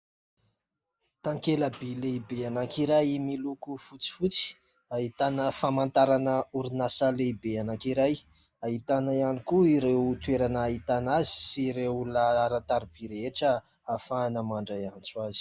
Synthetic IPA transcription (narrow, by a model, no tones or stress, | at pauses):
t̪aŋkeləbilebeanakiɾajmilukufut͡si̥fut͡si̥ | aɦit̪anəfamant̪aɾanəuɾinasəlebeanaŋkiɾaj | aɦit̪anajanikuiɾewut̪weɾanaːɦit̪anazi̥siɾeulaaɾat̪aɾib̥iɾeʈ͡ʂə | afaːnəmaɳɖ͡ʐajant͡suaz̥i̥